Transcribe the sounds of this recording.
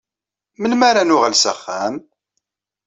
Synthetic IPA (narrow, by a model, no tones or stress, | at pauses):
mənmaɾanʊʁəlsəχːæm